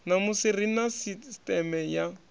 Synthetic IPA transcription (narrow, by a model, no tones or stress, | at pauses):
namusirinasistɛmɛja